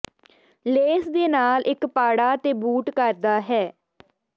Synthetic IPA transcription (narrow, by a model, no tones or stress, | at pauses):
leːsd̪eːnaːlʔɪkpaːɽaːt̪eːbuːʈkəɾd̪aːɦɛː